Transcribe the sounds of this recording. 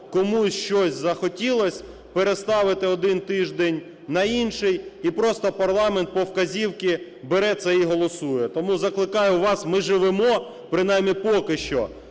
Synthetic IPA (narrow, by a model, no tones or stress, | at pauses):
kɔmuʃt͡ʃɔsʲzɐxɔtʲilˠɔsʲ | peɾest̪ɑʋɪt̪ɪɔd̪ɪnt̪ɪʒd̪enʲ | nɐinʃɪjipɾɔst̪ɔpɐrlˠɑment̪̚pɔwkɐzʲiwkʲɪ | beɾɛt̪sɛiɦɔlˠɔsujɛt̪ɔmuzɐklˠɪkɑjʊʋɑsmɪʒɪʋɪmɔ | pɾɪnɑjmʲːipɔkɪʃt͡ʃɔ